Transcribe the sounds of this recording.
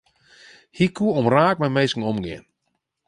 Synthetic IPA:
hikʰuəɔmraːk̚mɛmeːsŋ̩ɔmɡɪ̰ən

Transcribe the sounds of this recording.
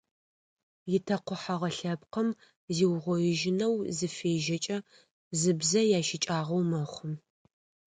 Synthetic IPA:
jɪtʰɐqʷʊħɐʁɐɬɐp̚qəm | ziːwʁʷɔjɪʒɪnɐwzɨfeːʒɐt͡ʃʼɐ | zɨbzɐjaːʃɪt͡ʃʼaːʁɐwmɐχʷʊm

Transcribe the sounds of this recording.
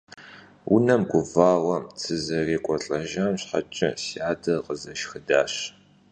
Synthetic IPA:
wʊnɐmɡʷʊvaːwɐmt͡sʰɨzɐreːkʷʼɔɬʼɐʒɐmɕħa̰t͡ʃʼɪ̰siaːdɐqəzɐʃxɨdaːɕ

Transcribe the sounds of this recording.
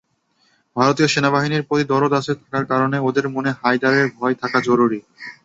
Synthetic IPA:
bʱaɾot̪ioʃenabaɦiniɾpɾot̪id̪ɔɾod̪aset̪ʰakaɾkaɾoneod̪eɾmoneɦajd̪aɾeɾbʱɔet̪ʰakad͡ʑɔɾuɾi

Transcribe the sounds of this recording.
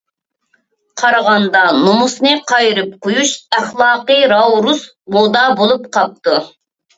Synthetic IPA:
qʰɑɾɑʁɑnd̪ɑnomusnɨqʰɑjɾɨp̚qojuʃæχlˠɑːqɨɾɑwɾus | bod̪ɑbolˠup̚qʰɑp̚t̪u

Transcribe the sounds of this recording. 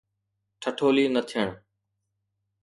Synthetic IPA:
ʈʰəʈʰoːliːnət̪ʰɪjəɳ

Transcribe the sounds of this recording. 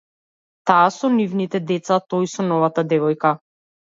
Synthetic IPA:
t̪aːsɔnivnit̪ɛd̪ɛt̪sat̪ɔjsɔnɔvat̪ad̪ɛvɔjka

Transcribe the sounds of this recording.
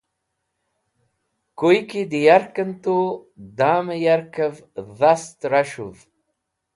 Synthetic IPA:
kojkid̪ijaɾkənt̪od̪aːməjaɾkəvðast̪ɾaʃṵv

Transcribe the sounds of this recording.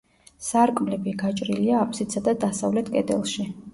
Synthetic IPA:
saɾkʼmlɛbiɡat͡ʃʼɾiliaːpʼsit̪sʰad̪ad̪asavlɛt̪ʰkʼɛd̪ɛ̰lˠʃi

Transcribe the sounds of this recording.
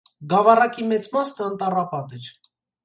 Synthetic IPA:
ɡɑvɑrɑkimɛt͡smɑsnəənt̪ɑrɑpɑt̪ɛɾ

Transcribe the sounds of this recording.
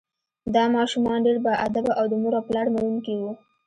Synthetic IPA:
d̪ɑmɑʃumɑnɖeɽbaʔad̪abaʔawd̪əmuɾaplɑɽmawuŋkiwu

